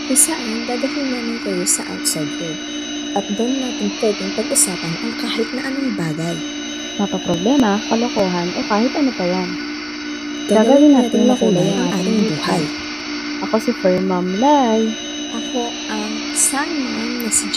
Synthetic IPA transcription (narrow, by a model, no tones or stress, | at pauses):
ʔɪsaʔnŋɡ̪aːd̪ɐhɪnanɐŋkʊjosɐʔa̰wt̪̚sajd̪̚ko | ʔɐt̪̚d̪ɐnnaːt̪ɪŋpwɛd̪ɪŋpɐɡʔʊsaːpɐnʔɐŋkaːhɪt̪̚nɐʔɐnɐŋbaːɡaj | mɐpɐpɾoblɛːmɐkɐlokoːɦɐnʔɛkaːhɪt̪̚ʔɐnopɐjan | ɡaɡawɪnaːt̪ɪŋlɐkuːlojŋʔɐaːʔaːɪmɪŋbuːhaj | ʔɐko̞sɪfɛɹmɐmlaj | ʔɐko̞ | ʔɐŋ | sanmanːɐsɪd͡ʒ